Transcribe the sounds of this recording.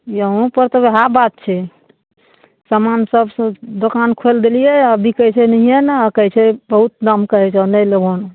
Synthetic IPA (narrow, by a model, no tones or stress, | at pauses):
jəɦũpəɾt̪ɔbeɦabat̪̚t͡ʃʰɛ | samansəbsd̪okankʰeld̪elijeəbʱikəɦt͡ʃʰɛnəɦijenakəɦt͡ʃʰɛbəɦut̪̚namkəɦɛt͡ʃʰanəlebʱon